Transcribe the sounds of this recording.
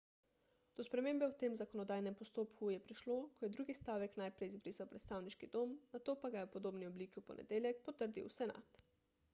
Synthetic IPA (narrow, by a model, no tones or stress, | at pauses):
d̪̥ɔspɾɛmeːmbɛwt̪eːmzakɔnɔd̪aːjnɛmpɔst̪oːpkujɛpɾiʃloːkɔjɛd̪ɾuːɡist̪aːʋɛknajpɾɛjzbɾiːsawpɾɛt̪st̪aːwniʃkid̪oːmnat̪oːpaɡajɛwpɔd̪oːbniɔbliːkiwpɔ̰nɛ̰d̪eːlʲjɛk̚pɔt̪əɾd̪ḭwsɛna̰t̪